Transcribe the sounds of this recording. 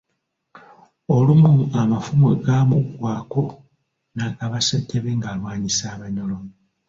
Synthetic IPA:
olumuamafumeɡamuɡwaːko̞ | nakaβasetʰːeβeŋɡalwaːɲisaːβaɲolo̞

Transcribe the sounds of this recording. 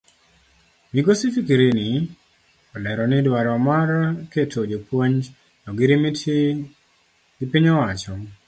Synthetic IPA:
miɡosifikiɾeni | ɔlɛɾɔnɪdwaɾɔmarketʰod͡ʒopwoɲ | nɔɡɪɾimi | ɡɪpɪɲɔwat͡ʃɔ

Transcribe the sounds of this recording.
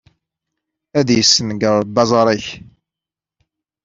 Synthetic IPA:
æðjəsːənɡəɾˤbɑzˤɑɾˤæç

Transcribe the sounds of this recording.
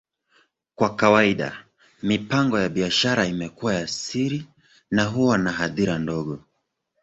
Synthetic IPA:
kwakawaiɗa̰ | mipaŋɡɔjaɓiaʃaɾaimɛkuwajasiɾi | naɦuwanaɦaðiɾandɔɠɔ

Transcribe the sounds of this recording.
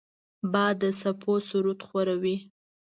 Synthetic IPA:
bɑd̪əsapʰosuɾut̪xwaɾawi

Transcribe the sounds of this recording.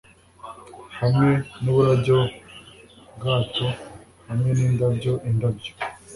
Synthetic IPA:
hamŋeniβuɾaɟo | ɡaːto | hamwenindabɟoʔindabɟo̥

